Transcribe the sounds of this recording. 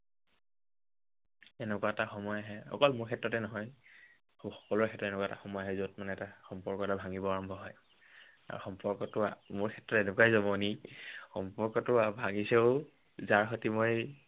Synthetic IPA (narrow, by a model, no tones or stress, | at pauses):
ɛnɛkwaɛtaxɔmɔjaɦɛɔ̰kɔlmʊɹkʰɛtɹɔtɛnɔɦɔj | xɔ̥kɔlʊɹkʰɛtɹɔtɛnɛkwaɛta̰xɔmɔjaɦɛzot̚manɛɛtaxɔmpɔɹkɔtabʱaŋibɔaɹɔmbʱɔɦɔj | a̰ɹṵxɔmpɔɹkɔtʊa̰moɹkʰɛtɹɔtenʊkwajzɔmɔnixɔmpɔɹkɔtʊabʱaɡiseʊ | zaɹxotimɔj